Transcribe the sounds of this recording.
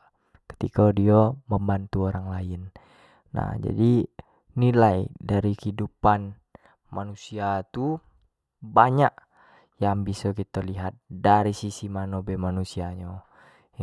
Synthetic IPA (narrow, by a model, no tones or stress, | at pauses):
kə̥t̪ikadioməmbant̪uoɾaŋlaɪnː | a̰hd͡ʒa̰di | nilajdaɾikidupan | manusiat̪u | baɲak | jaŋbisɔkit̪aliɦat̪̚daɾisisimanobɛmanusiaɲo